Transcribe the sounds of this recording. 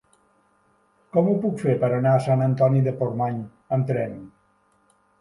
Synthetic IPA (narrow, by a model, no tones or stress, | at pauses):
kɔmupukfeɾpəɾənaəsanənt̪ɔniðəpormaɲ | əmt̪ɾɛn